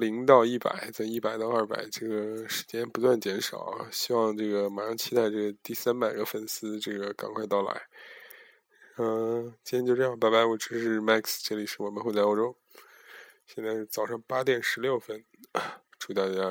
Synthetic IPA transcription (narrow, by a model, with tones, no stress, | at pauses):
li˧˥ŋt̪ɑ˥˧ʊi˥˩pa̰˨˩˦ɪt͡sa˥˩i˥˩pa˨˩ɪt̪ɑ˥˧ɐ˞˥˩pa̰˨˩ɪʈ͡ʂɤ˥˩ɡə˩ʂɻ̩˧˥t͡ɕjɛ˥npu˧˥t̪wa˥˩nt͡ɕjɛ˧˥nʂɑ̰˨˩˦ʊ˦ɕi˥wɑ˥˧ŋʈ͡ʂɤ˥˩ɡə˩ma˨˧˥ʂɑ˥˧ŋt͡ɕʰi˥t̪a˥˧ɪʈ͡ʂɤ˥˩ɡə˩t̪i˥˩sa˥npa˨˩ɪɡə˧˦fə˥˩nsɹ̩˥ʈ͡ʂɤ˥˩ɡə˩ka̰˨˩nkʰwa˥˧ɪt̪ɑ˥˩ʊla̰˧˥ɪ | ə˧t͡ɕi˥njɛ˥t͡ɕjo˥˧ʈ͡ʂɤ˥˧jɑ˥˧ŋ˧pa˥˧ɪba˧˥ɪwɔ˨˩ʈ͡ʂɻ̩˧˥ʂɻ̩˥˧ma˥˩ksʈ͡ʂɤ˥˩li˨˩ʂɻ̩˥˩wɔ˨˩mə˧˦nxo˥˧ʊt͡sa˥˧o˥˧ʊʈ͡ʂo˥ʊ | ɕjɛ˥˧nt͡sɪ˥˩t͡sɑ˨˩ʊʂɑ˥˩ŋpa˥t̪jɛ˨˩nʂɻ̩˧˥ljo˥˩ʊfə˥n | ʈ͡ʂʰu˥˩t̪a˥˩t͡ɕja˥